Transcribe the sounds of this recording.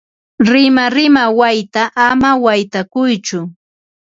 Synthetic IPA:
ɾɪmaɾɪmawajt̪aʔːmawajt̪akʊjt͡ʃʊ

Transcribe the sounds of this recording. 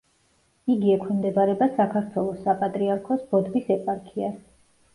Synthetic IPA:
iɡiɛkʰimd̪ɛbaɾɛbasakʰaɾt̪ʰwɛlˠɔsapʼat̪ʼɾiaɾkʰɔsb̥ɔd̪visɛpʼaɾkʰia

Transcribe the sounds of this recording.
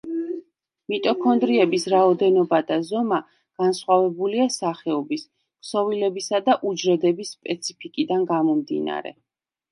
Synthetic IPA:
mit̪ʼɔkʰɔnd̪ɾiɛbisɾaɔd̪ɛnɔbad̪azɔma | ɡ̥ansχwavɛbuliasaχɛɔbis | psɔvilɛbisad̪aʔud͡ʒɾɛd̪ɛbisːpʼɛt̪sʰipʰikʼid̪anɡamɔmd̪ḭna̰ɾɛ̰

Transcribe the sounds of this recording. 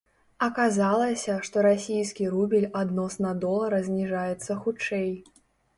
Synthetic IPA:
ɐkazalˠɐsʲɐʂt̪ɔɾasʲijskʲiɾubʲilʲad̪nɔsnɐd̪ɔlˠɐɾɐzʲnʲiʐajɛt̪sːɐxut͡ʂɛj

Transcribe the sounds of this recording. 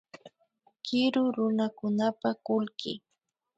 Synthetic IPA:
kɪɾʊɾʊnakʊnapakʊlkɪ̰

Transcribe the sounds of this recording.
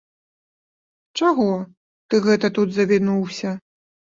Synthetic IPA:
t͡ʂaɣɔ | t̪ɨɣɛt̪ɐt̪ud̪zɐvʲinuwsʲɐ

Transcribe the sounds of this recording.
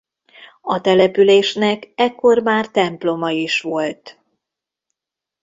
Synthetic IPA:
ɒt̪ɛlɛpyleːʃnɛkɛkːo̞rmaːrt̪ɛmplo̞mɒiʃʋo̞lt̪

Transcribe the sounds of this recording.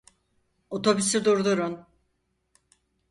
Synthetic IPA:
ot̪ʰo̞bysid̪uɾd̪uɾun

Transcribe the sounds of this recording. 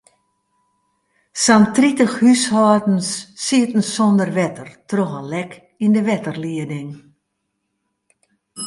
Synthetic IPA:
santritəxhyshɔːdn̩sːiətn̩sɔndərʋɛtərtroɣənlɛk | indəʋɛtərliədɪŋ

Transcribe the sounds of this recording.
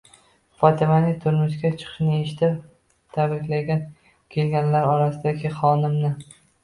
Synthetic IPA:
fɒt̪ʰɪmanɪt̪ʰʊɾmʊʃkʲat͡ʃʰɨ̥qʰʃnɪeʃɪt̪ʰɪ | t̪ʰabɾɪkʲlaɡʲan | kʲʰe̞lɡʲanlaɾɒɾasɪd̪aɡʲɪχɒnɪmnɪ

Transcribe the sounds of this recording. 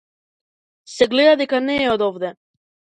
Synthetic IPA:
sɛɡlɛd̪ad̪ɛkanɛːɔd̪ɔvd̪ɛ

